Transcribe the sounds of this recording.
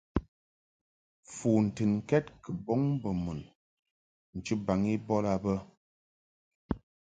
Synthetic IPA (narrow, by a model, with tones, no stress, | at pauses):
fuː˨n̩˨tɨ˨nŋ̩˨kɛ˦t̚kə˨bɔ˦ŋbə˨mu˨n | n̩˨t͡ʃɨ˦ba˨ŋi˦bɔ˦la˨bə˦